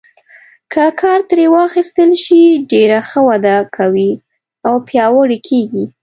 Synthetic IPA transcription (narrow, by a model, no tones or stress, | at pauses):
kʰəkʰɑɾt̪ɾewɑxist̪əlʃiɖeɾaxəwad̪akʰawi | awpjɑwəɽikʰeɡi